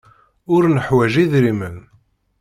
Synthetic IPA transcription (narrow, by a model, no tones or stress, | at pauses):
ʊɾnəħwæʒiðɾimən